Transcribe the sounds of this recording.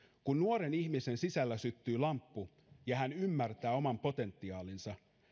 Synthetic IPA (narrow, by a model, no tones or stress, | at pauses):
kunːuoɾeniçmise̞nsisælːæsyt̪ːyːlɑmpːu | jɑhænymːært̪æːo̞mɑmpo̞t̪e̞nt̪ːiɑːlinsɑ